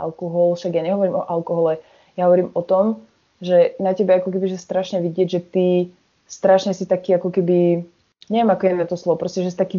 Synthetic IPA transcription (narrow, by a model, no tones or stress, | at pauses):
a̰lkɔɦɔlʃaɡjaɲɛɦɔʋɔɾiːmɔʔalkɔɦɔlɛ | jaɦɔʋɔɾiːmɔt̪ɔm | ʒɛnacɛbaakɔk̬ɛbiʒɛst̪ɾaʃɲɛʋiɟɪɛɟʒɛt̪i | st̪ɾaʃɲɛsit̪akiːakɔkɛbi | ɲɛʋɛmakɔɛjɛɛnat̪ɔslɔʋɔpɾɔscɛʒɛsit̪akiː